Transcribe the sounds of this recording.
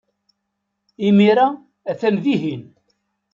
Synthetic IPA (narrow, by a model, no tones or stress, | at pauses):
imiɾa | æθæmðiɦin